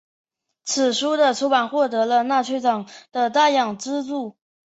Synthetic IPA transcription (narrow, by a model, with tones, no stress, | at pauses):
t͡sʰɹ̩˨˩ʂu˥d̪ə˨ʈ͡ʂʰu˧˥pa˨˩nxwɔ˥˩t̪̬ɤ˧˥lə˧na˥˧t͡ɕʰɛ˥˩ɪʈ͡ʂɑ˨˩ŋd̪̥ə˧t̪a˥˩jɑ˨˩ŋʈ͡ʂɻ̩˥t͡su˥˩